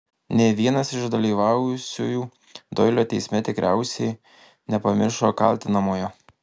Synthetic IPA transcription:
nʲeːʋʲiɛnɐsɪʃd̪ɐlʲiːʋɑˑʊjʊsʲuːjuː | d̪ɔɪlʲoːt̪ʲɛɪsʲmʲɛt̪ʲɪkɾʲæˑʊsʲɛɪ | nʲɛpɐmʲɪɾʃoːkɐ̰lʲt̪ʲɪnɐmoːjɛ

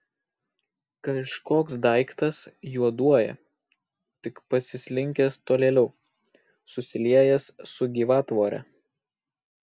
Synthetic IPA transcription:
kɐʃkoːksd̪ɐɪkt̪ɐsjuɔd̪uɔjɛ̰ | t̪ʲɪkpɐsʲɪsʲlʲɪŋʲkʲɛst̪oːlʲeːlʲɛʊ | sʊsʲɪlʲiɛjɛssʊɡʲiːʋɑːt̪ʋoːɾʲɛ̰

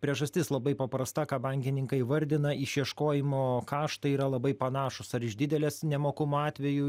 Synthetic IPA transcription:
pʲɾʲiɛʒɐsʲt̪ʲɪslˠɐbɐɪpɐpɾɐst̪ɐkɑːbɐŋʲkʲɪnʲɪŋkɐɪʋɐɾʲd̪ʲɪnɐʔɪʃjiɛʃkoːjɪmoːkɑːʃt̪ɐiːɾɐlˠɐbɐɪpɐnɑːʃʊsɐɾɪʒd̪ʲɪd̪ʲɛlʲeːsnʲɛmoːkʊmoɑːt̪ʲʋʲɛju

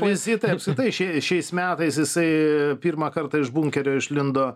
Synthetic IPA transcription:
ʋʲɪsʲɪt̪ɐɪɐpskɾʲɪt̪ɐɪʃʲɛʃʲɛɪsmʲæːt̪ɐɪsjɪsɐɪpʲiːrmɐkɐrt̪ɐɪʒbʊŋʲkʲɛɾʲoːɪʃlʲɪnd̪oː

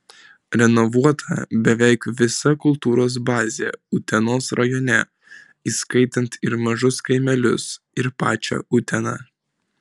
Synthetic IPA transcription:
ɾʲɛnɔʋuɔt̪ʰɐ̰bʲɛʋʲɛɪkʋʲɪsɐkʊlˠt̪uːɾoːs̬bɑːzʲḛːʊt̪ʲɛnoːsɾɐjɔːnʲɛ | iːskɐɪt̪ʲɛnt̪ɪɾmɐʒʊskɐɪmʲɛlʲʊs | ɪɾpɑ̰ːt͡ʃʲɛ̰ʔʊt̪ʲɛnɑː

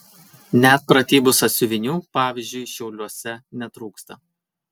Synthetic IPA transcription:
nʲɛt̪̚pɾɐt̪ʲiːbʊsɐt̪sʲʊʋʲɪnʲuːpɑːʋʲɪˑzʲd͡ʒʲʊɪʃʲɛʊlʲuɔsʲɛnʲɛt̪ɾuːkst̪ɐ

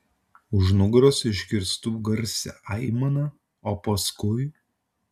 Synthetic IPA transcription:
ʊʒnʊɡɾosɪʒʲɡʲɪɾst̪uːɡɐɾʲsʲɛ̰ʔɐɪmɐnɐ | oːpɐskʊɪ

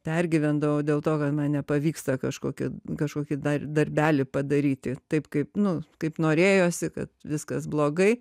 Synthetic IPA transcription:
pʲæɾʲɡʲɪʋʲɛnd̪ɐʋɐʊd̪ʲeːlˠt̪oːkɐt̪mɐnnʲɛpɐʋʲiːkst̪ɐkɐʃkoːkʲɪ̰kɐʃkoːkʲɪd̪ɐd̪ɐɾʲbʲæːlʲɪpɐd̪ɐɾʲiːt̪ʲɪt̪ɐɪpkɐɪpnʊkɐɪpnoːɾʲeːjoːsʲɪkɐ̰t̪ʋʲɪskɐsblˠoːɡɐɪ

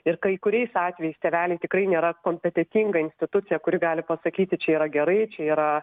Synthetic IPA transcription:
ɪɾkɐɪkʊɾʲɛɪsɑːt̪ʲʋʲɛjɛɪst̪ʲɛʋʲæːlʲɛɪt̪ʲɪkɾɐɪnʲeːɾɐkoːmʲpʲɛt̪ʲɛt̪ʲiŋɡɐɪnʲsʲt̪ʲɪt̪ʊt̪sʲɪjɛkʊɾʲɪɡɑːlʲɪpɐsɐkʲiːt̪ʲɪt͡ʃʲɛiːɾɐɡʲɛɾɐɪt͡ʃʲɛiːɾɐ

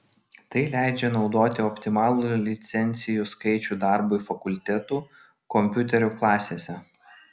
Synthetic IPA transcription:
t̪ɐɪlʲæˑɪd͡ʒʲɛnɒʊd̪oːt̪ʲɪɔpʲt̪ʲɪmɑːlˠuːˑlʲɪt̪sʲɛnʲt̪sʲɪjuːˑskɐɪt͡ʃʲuːˑd̪ɑˑɾbɔfɐkʊlʲt̪ʲɛt̪uː | kɔmʲpʲʊt̪ʲɛɾʲʊklˠɑːsʲeːsʲɛ

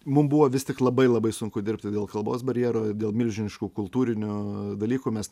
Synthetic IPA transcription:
mʊmbʊʋoːʋʲɪst̪ʲɪklˠɐbɐɪlˠɐbɐɪsʊŋkʊd̪ʲɪɾʲpʲt̪ʲɪd̪ʲeːlˠkɐlˠboːsbɐɾʲjɛːɾoːd̪ʲeːlˠmʲɪlʲʒʲɪnʲɪʃkuːkʊlˠt̪uːɾʲɪnʲʊd̪ɐlʲiːkuːmʲɛs

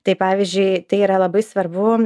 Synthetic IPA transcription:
t̪ɐɪpɑːʋʲizʲd͡ʒʲʊɪt̪ɐɪiːɾɐlˠɐbɐɪsʋɐɾbʊ

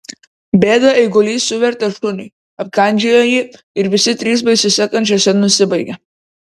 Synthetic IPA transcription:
bʲeːd̪ɐɛɪɡʊlʲiːsʊʋʲɛɾʲt̪ʲɛʃʊnʲʊɪ | ɐp̚kɐˑnʲd͡ʒʲɛjoːjiː | ɪɾʋʲɪsʲɪt̪ʲɾʲiːs̬bɐɪsʲʊsʲɛkɐnʲt͡ʃʲɛsʲɛnʊsʲɪbɐɪɡʲɛ

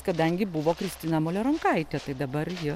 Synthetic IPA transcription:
kɐd̪ɐŋʲɡʲɪbuʋoːkɾʲɪsʲt̪ʲɪnɐmoːlʲoːɾɐŋkɐɪt̪ʲɛt̪ɐɪd̪ɐbɐrjɪ

